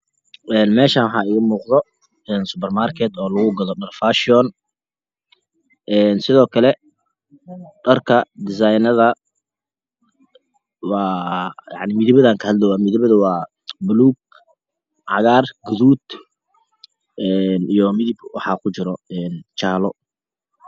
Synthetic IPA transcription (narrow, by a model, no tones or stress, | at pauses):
ʔɛːnmɛːʃaːnwħɑːɪmuːqðɔ | ɛːnsʊpɛrmarkʰɛt̪ɔːlɐɣʊɡɐðɔɗɐrfaːʃɪɔːn | ʔɛːnsɪðɔːkʰɐlɛ | ɖɐrkʰɐd̪ɪs̬ajnɐðɐ | wɑːjɑ̰ʕnɪmɪðɪβɐðaːŋkʰɐhɐd̪lɛwɑːmɪðɪβɐðɐwɑː | bʊluːɡ̚ | ʕɑ̰ɣaːrɡʊðuːd̪ | ʔɛːnijɔmɪðibwɑħɑːkʰʊt͡ʃɪɾɔɛːnt͡ʃaːlɔ